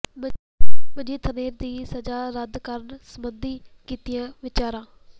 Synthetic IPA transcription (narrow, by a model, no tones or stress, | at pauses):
məd͡ʒiːt̪ʰəneːɾd̪iːsəd͡ʒaːɾəd̪kəɾənsəmənd̪iːkiːt̪ɪjãːʋɪt͡ʃaːɾãː